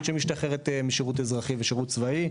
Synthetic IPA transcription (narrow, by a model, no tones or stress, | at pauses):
ʃemiʃt̪aχeʁet̪emiʃeʁut̬ezʁaχiveʃeʁutt͡svai